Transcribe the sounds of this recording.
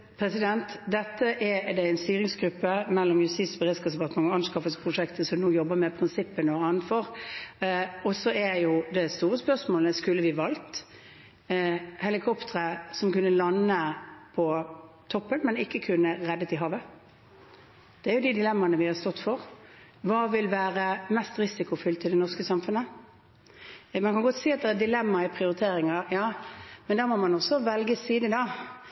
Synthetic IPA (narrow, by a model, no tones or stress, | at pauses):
pʰɾɛsɪd̪ɛnt̪d̪ɛt̪ːəʔæd̪ɛɪnst̪yːɾɪŋsɡɾʉpːəmɛlːɔmjʉst̪ɪːt̪sbəʁɪskədɛpɑt̪mɑŋɔɑnskɑfəspʰʁʊʂɛkt̪əsɔmnuːjɔbəmɛpʰɾɪnsɪpːənɔɑnt̪fɔɾ | ɔsɔæɾjʊd̪ɛst̪uːɾəspœsmoːləskʉlːəʋɪʋɑlt̪ | hɛlɪkʰɔpt̪əʁəsɔmkʉnːəlɑnːəpʰɔ | t̪ʰɔpːənmɛnɪkːəkʰʉnːəʁɛd̪ːət̪ɪɦɑːʋə | d̪̥ɛæɾjʊd̪ɪd̪ɪlɛmːɑnəʋɪhɑst̪ɔt̪ːfɔʁ | ʋɑːʋɪlʋæːɾəmɛst̪ɾɪsɪkʊfʏlt̪ɪld̪ɛnɔʁskəsɑmfʉnə | mɑnkɑnɡɔt̪siːɑt̪d̪ɛæd̪ɪlɛmːɑæpʰɾɪʊɾɪt̪ʰeːɾɪŋɑɾjɑːmɛnd̪æːɾmoːmɑnɔsːɔʋɛlɡəsːiːd̪əd̪ɑː